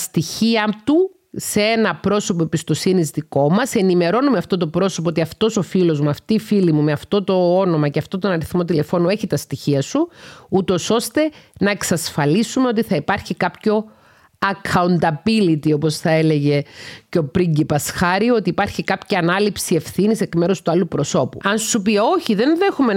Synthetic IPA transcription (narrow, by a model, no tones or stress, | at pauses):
st̪içiɐt̪u | see̞nɐpɾo̞so̞p̬oebist̪o̞sinizðiko̞mɐse̞nime̞ɾo̞numeɐft̪o̞t̪opɾo̞so̞p̬ot̪iɐft̪o̞so̞filo̞zmuɐft̪iːfilimumeɐft̪o̞t̪o̞o̞no̞mɐceɐft̪o̞t̪onɐɾiθmo̞t̪ile̞fo̞nue̞çit̪ɐst̪içiɐsuut̪o̞so̞st̪e̞nɐeksɐsfɐlisume̞o̞t̪̬iθɐipɐɾçikɐpço̞ | ɐkʰɐunt̪ɐbilit̪io̞po̞sθɐe̞le̞ʝe̞ceo̞pɾiɲɟipɐsxɐɾio̞t̪iːpɐɾçikɐpçɐːnɐlipsie̞fθinise̞kme̞ɾo̞st̪uɐlupɾo̞so̞pṵɐnsupio̞çiðe̞nðexume